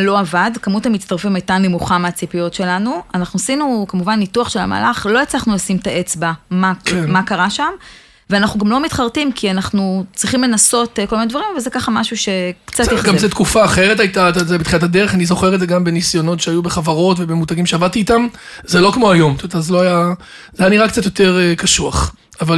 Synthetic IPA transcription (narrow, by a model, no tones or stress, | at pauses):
lo̞avadkamuthamitt͡st̪aʁfimajtanemuχameat͡sipijo̞tʃe̞lanuanaχnuasinukamuvanːituaχʃela̰ma̰laχlo̞et͡slaχnulasimtaʔe̞t͡sbamakemakaʁaʃam | veanaχnuɡamlo̞mitχaʁtimkʰianaχnut͡sʁiχimle̞naso̞tkolminedvaʁimavalzekaχamaʃuʃe̞kt͡sat̪ɡamzet̪kufaːχeʁet̬ajtatazabet̪χinatad̪eʁeχanizo̞χeʁedzeɡambe̞nisjo̞no̞tʃeajubeχavaʁo̞tvebe̞mutaɡimʃeavad̚t̪iːt̪amzelo̞kmo̞ajo̞mtomet̪azeloaja | zeajaniʁakt͡sat̪jote̞ʁekaʃuaχ | aval